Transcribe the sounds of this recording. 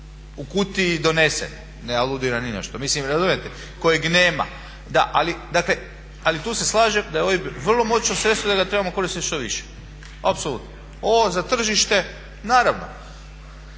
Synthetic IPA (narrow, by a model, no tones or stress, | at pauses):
ukut̪id̪o̞ne̞sḛn | nealˠud̪iɾanine̞̰ʃt̪omislimɾazumijet̪e | ko̞jeɡneːma̰ | d̪a̰ʔalid̪akle | alit̪uːseslˠaːʒe̞md̪ajeoʋibʋr̩lˠo̞mo̞t͡ʃosɾet̪st̪ʋod̪aɡat̪ɾe̞bamoko̞ɾist̪it̪ʃt̪o̞ʋḭʃe̥ | apsolut̪no | oozat̪r̩ʒiʃt̪e̞ | naːɾaʋno̰